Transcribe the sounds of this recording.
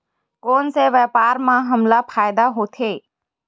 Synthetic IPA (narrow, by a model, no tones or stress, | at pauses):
koːnseʋɛpaːɾmãɦəmlapʰaːjd̪aɦoːt̪ʰeː